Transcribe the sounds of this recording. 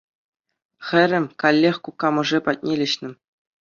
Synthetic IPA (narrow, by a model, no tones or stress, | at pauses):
xʲɘ̆ɾʲɘ̆mʲkɑlʲːexʲkukːɑmɤ̆ʐepɑt̚ʲnʲelʲɘ̆ɕnʲɘ̆